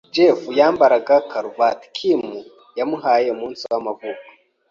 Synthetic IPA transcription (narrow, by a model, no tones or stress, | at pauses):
d͡ʒefujaːmbaɾaɡakʰaɾuvatkʰimu | jamuɦaːjeumuːnsiwamavukḁ